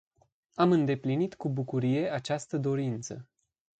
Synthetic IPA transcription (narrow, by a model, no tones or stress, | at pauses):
amɨnd̪e̞plinit̪kubukuɾije̞at͡ʃast̪əd̪o̞ɾint̪sə̰